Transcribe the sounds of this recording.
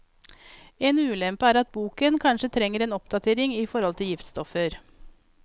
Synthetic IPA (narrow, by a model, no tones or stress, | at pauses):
eːnʉːlɛmpəæːɾɑt̪̚buːkənkʰɑnʂət̪ʰɾɛŋːəɾeːnɔpd̪ɑt̪ʰeːɾɪŋiːfɔɾhɔlt̪ʰɪljɪft̪st̪ɔfəɾ